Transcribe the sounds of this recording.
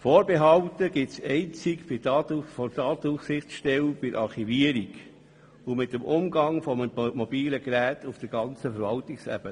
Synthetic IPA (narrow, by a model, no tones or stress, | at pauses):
foːɾbeɦɑwtəɡɪtsɛɪnt͡sikb̥ɪtfɔtɑːtufsɪχsʃtɛlb̥ɪɾʔɑχiviəɾiɡ | ʊmɪtːəmʊmɡɑŋfɔmmɔbiːləɡɾæːtʰufd̥əɾɡɑnt͡səfəɾvɑltiksɛ̰b̥ə